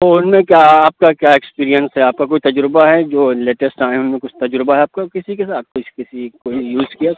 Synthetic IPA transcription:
t̪oʊnmẽkjaːaːp̚kakjaːekspiːɾijənsɦɛaːp̚kakoːit̪ɐd͡ʒɾʊbaɦɛd͡ʒoːleːʈəsʈãːẽʊnmẽkʊt͡ʃʰt̪ɐd͡ʒɾbaɦɛaːp̚kakɪsikesaːt̪̚koikɪsikoːijuːzkija

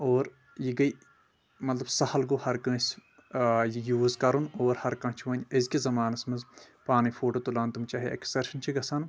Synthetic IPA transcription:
oːɾ | jiɡɐj | mɐt̪lɐbsɐhɐlɡohɐɾkɐ̃ːs | jijuːzkɐɾunoːɾhɐɾkɐ̃t͡ʃʰiʋɐnʲɐzkizɐmaːnɐsmɐz | paːnifʰoːʈot̪ulaːnt̪umt͡ʃaːɦeʔɐksɐɾʃɐnt͡ʃʰiɡɐsɐn

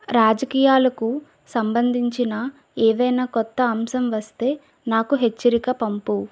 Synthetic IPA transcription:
ɾaːd͡ʒɐkiːjaːlɐku | sɐmbɐnd̪ʱiɲt͡ʃinɐ | eːʋɐjnaːkɔt̪ːɐːmsɐmʋɐst̪e̞ː | naːkuɦe̞t͡ʃːɐɾikɐpɐmpu

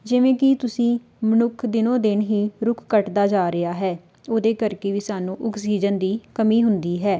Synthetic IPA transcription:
d͡ʒɪʋẽːkɪt̪ʊsĩː | mənʊkʰd̪ɪnõːd̪ɪnɦiːɾʊkʰːəʈd̪aːd͡ʒaːɾɪaːɦɛː | oːd̪eːkəɾkeːʋiːsaːnũːʔʊksiːd͡ʒənd̪iːkəmiːɦʊnd̪iːɦɛː

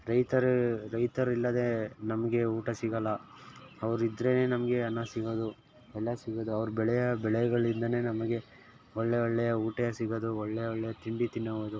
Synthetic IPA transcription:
ɾɐjt̪ɐɾɾɐjt̪ɐɾilːɐd̪e̞nɐmɐɡe̞uːʈɐsiɡɐlːɐ | ɐʋɐɾuid̪ɾe̞ne̞ːnɐmɐɡe̞ɐnːɐsiɡoːd̪u | ɛɭːɐsiɡod̪uɐʋɐɾubɛɭɛjɐbɛɭɛjɡɐɭind̪ɐne̞ːnɐmɐɡe̞ | ɔɭːeɔɭːɛjɐuːʈɐjɐsiɡod̪uɔɭːɛjɐɔɭːɛjɐt̪iɳɖit̪inːɐʋod̪u

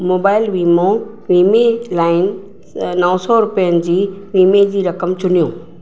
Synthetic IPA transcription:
moːbaːɪlʋiːmõ | ʋiːmelaːɪnɪ̆ | nɐʊ̃sɔɾʊpijənɪ̆d͡ʑiːʋiːmed͡ʑiːɾɐkəmt͡ɕʊnijõː

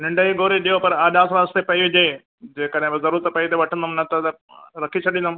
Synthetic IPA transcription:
nɪ̃ɳɖəiɡoːɾeɗijopɐɾaːɗaːsʋaːzt̪epɐiʋɪd͡ʑeː | d͡ʑeːkəɗɦɪ̃bzɐɾuːɾət̪pɐit̪eʋɐʈʰə̃nd̪əmnɐt̪ɐt̪ɐ | ɾɐkʰit͡ɕʰɐɗĩnd̪ʊm

